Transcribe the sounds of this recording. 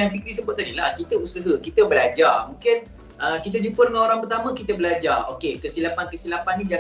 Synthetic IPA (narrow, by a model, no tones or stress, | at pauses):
anfikɾis̬əbʊat̪adila̰hkit̪əusəɦəkit̪əbəlad͡ʒarmũŋkɪn | ʔəkit̪əd͡ʒupədəŋãnoɾaŋpərt̪amə̃kit̪əbəlad͡ʒarʔokekəsilapankəsilapanːĩd͡ʒa